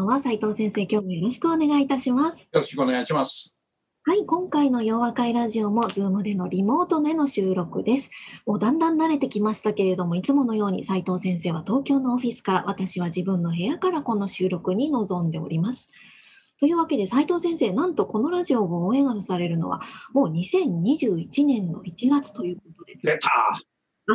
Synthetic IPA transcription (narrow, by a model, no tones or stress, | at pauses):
βasait̪o̞ːsẽɰ̃se̞ːkʲo̞ːmojo̞ɾo̞ɕi̥kɯ̟o̞ne̞ɡait̪aɕimasɨ̥joɾoɕi̥kɯoneɡaiɕimas | haikõ̞ŋkaino̞jo̞ːβakaiɾaʑio̞mo̞zɨːmɯ̟d̪e̞no̞ɾʲimo̞ːt̪o̞neno̞ɕɨːɾo̞kɯ̟d̪e̞sɨ̥mo̞ːd̪ãnd̪ãnːaɾe̞t̪e̞kʲimaɕi̥t̪ake̞ɾe̞d̪o̞mo̞it͡sɨmo̞no̞jo̞ːɲ̟ḭsait̪o̞ːsẽ̞ɰ̃se̞ːβat̪o̞ːkʲo̞ːno̞ːɸʲisɨ̥kaɾa̰βat̪aɕiβ̞aʑibɯ̟̃nːo̞ɦe̞jakaɾako̞no̞ɕɨːɾo̞kɯ̟ɲ̟ino̞zõ̞nd̪e̞o̞̰ɾʲimasɨ̥ | t̪o̞jɯ̟ːβake̞d̪e̞sait̪o̞ːsẽ̞ɰ̃se̞ːnãnt̪o̞ko̞no̞ɾaʑio̞ɡoːẽ̞ŋɡanasaɾe̞ɾɯ̟no̞̰βa̰mo̞ːɲ̟isẽ̞ɲ̟ɲiʑɨːit͡ɕinẽ̞nːo̞̰it͡ɕiɡat͡sɨ̥t̪o̞jɯ̟ːk̚o̞t̪o̞d̪e̞e̥ | a